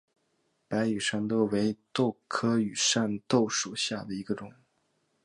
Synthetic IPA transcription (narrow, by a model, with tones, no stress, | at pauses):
pa˧˥ɪy˨˩ʂa˥˧nt̪o˥ʊwe˧˥ɪt̪o˥˩ʊkʰɤ˥y˨˩ʂa˥˧nt̪o˥˩ʊʂu˨˩ɕja˥˩d̪ə˩i˧˥ɡə˧ʈ͡ʂʊ˨˩˦ŋ